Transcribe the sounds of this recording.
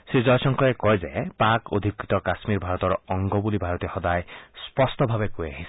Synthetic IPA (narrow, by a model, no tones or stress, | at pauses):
sizɔjsɔŋkɔekɔjzapako̰d̪ʱikɾit̪ɔkasmiɾbʱaɾɔt̪ɔɾɔɔŋɡɔbulibʱaɾɔt̪iɔhɔd̪ajspɔst̪ɔbʱabekujaɦisʰi̥